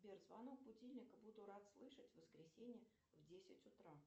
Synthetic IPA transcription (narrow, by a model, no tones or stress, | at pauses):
bʲerzvanok̚bʊdʲilʲnʲɪkəbud̪ʊɾat̪slˠɨʂətʲvəskɾʲɪsʲenʲɪjə | vdʲesʲɪtʲʊt̪ɾa